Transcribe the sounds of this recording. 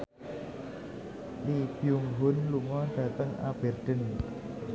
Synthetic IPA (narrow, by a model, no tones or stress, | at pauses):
lib̥juŋɦʊnluŋɔd̥ä̤t̪əŋa̰b̥erɖ̪̥ə̤n